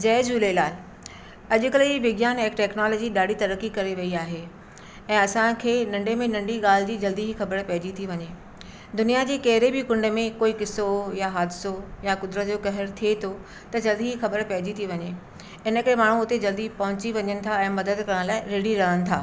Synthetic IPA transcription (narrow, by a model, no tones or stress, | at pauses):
d͡ʑɐːd͡ʑuːlelaːl | ɐʄʊkəld͡ʑiːʋɪɡjaːnɛkʈɛːknɔːloːd͡ʑiɗaːɽit̪ɐɾəkikɐɾeʋɐiaːɦe | ɛ̃ːɐsãkʰeːnɐ̃ɳɖemẽnɐ̃ɳɖiɠaːlɪd͡ʑiːd͡ʑɐld̪iɦixɐbəɾpɐɦɪd͡ʑit̪ʰiʋɐɲeː | d̪ʊnijad͡ʑeːkɐɦɪɾebɪkʊ̃ɳɖmẽkoːikɪsojaɦaːd̪ɪsojakʊd̪ɾət̪d͡ʑoːkɐɦɪɾt̪ʰiet̪ʰo | t̪ɐd͡ʑɐld̪iɦixɐbəɾpɐɦɪd͡ʑit̪ʰiʋɐɲe | ɪnə̆kəɾemaːɳ̤ũʊt̪ed͡ʑɐld̪ipɐɦʊ̃t͡ɕiʋɐɲənɪ̆t̪ʰaɛ̃ːmɐd̪əd̪kɐɾəɽ̃laːɪɾeːɽiɾɐɦənɪ̆t̪ʰa̰ː